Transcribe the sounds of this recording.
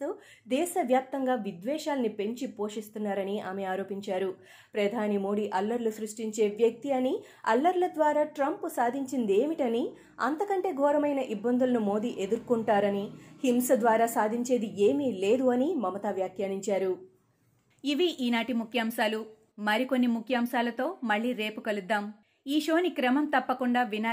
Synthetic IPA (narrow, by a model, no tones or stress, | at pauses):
oː | d̪ɛːʃɐʋjaːp̚t̪ɐŋɡaːʋid̪ʋɛːʃaːlɐnipe̞ɲt͡ʃipo̞ːʂist̪unːaːɾɐniaːmeaːɾo̞ːpiɲt͡ʃaːɾu | pɾɐd̪ʱaːnimo̞ːɽiːʔɐlːɐɾlusɾuʂʈiɲt͡ʃe̞ːʋjɐk̚t̪iɐni | ɐ̰lːɐɾlɐd̪ʋaːɾaːʈɾɐmpusaːd̪ʱiɲt͡ʃind̪e̞ːmiʈɐni | ɐ̰nt̪ɐkɐɳʈe̞ːɡʱɔːɾɐmɐjnɐʔibːɐnd̪ulɐnumo̞ːd̪iːʔe̞d̪uɾkuɳʈaːɾɐnihimsɐd̪ʋaːɾaːsaːd̪ʱiɲt͡ʃe̞ːd̪ie̞ːmiːle̞ːd̪uɐnimɐmɐt̪aːʋjaːkjaːniɲt͡ʃaːɾu | iʋiʔiːnaːʈimukʰjaːmʃaːlu | mɐɾiko̞nːimukʰjaːmʃaːlɐt̪o̞ːmɐɭːiːɾe̞ːpukɐlud̪ːaːm | iːʃoːnikɾɐmɐmt̪ɐpːɐkuɳɖaːʋinaː